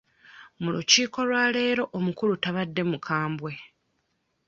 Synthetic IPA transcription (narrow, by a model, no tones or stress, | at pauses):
mulṵciːko̞lwaːle̞ːɾo̞ʔomukulutaβadːe̞mukʰaːmbwe̞